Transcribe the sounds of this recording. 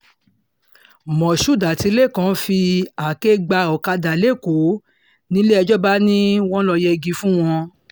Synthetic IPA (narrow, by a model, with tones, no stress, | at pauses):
mɔ̃˨ʃu˦˨da˨ti˧˦le˦˨kã˨˦fi˧a˨ke˦ɡ͡ba˧ɔ˨ka˧da˨le˦˨ko˨˦ | nĩ˦le˦ɛ˧d͡ʒɔ˦ba˦nĩ˦w̃ɔ̃˦lɔ˧jɛ˧ɡi˦fũ˦w̃ɔ̃˧